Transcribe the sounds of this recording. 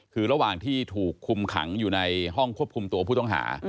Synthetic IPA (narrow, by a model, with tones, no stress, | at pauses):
kʰɯː˧ɾa˧waː˨˩ŋt̪ʰiː˥˩t̪ʰuː˨˩kʰːu˧mkʰa̰˩˦ŋjuː˨˩na˧jɦɔ˥˩ŋkʰu˥˩əp̚kʰu˧mt̪u˧pʰu˥˩t̪ɔ˥˩ŋɦa̰ː˩˦